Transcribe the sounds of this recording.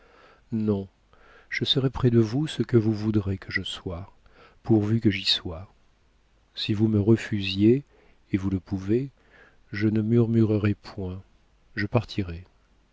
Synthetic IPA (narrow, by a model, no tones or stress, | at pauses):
nɔ̃ | ʒ̥əsəʁɛpχɛd̪əvusəkəvuvud̪ʁekəʒəswa | puʁvykəʒiswa | sivuməʁəfyzjeː | vuləpʰuve | ʒənəmyʁmyʁəʁɛpʰwɛ̃ | ʒəpaʁt̪ʰiʁɛ